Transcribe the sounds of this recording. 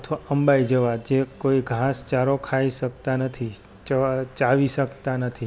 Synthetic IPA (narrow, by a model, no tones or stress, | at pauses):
ət̪ʰʋaəmbaid͡ʒəʋad͡ʒekoiɡʱãst͡ʃaɾokʰaiʃək̚t̪anət̪ʰi | t͡ʃət͡ʃaʋiʃəkt̪anət̪ʰi